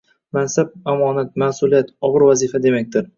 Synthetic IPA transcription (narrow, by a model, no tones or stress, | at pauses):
mansab̚amɒːnat̪̚masulijat̪ɒʁɨɾvazifad̪e̞mak̚ʲt̪ɪɾ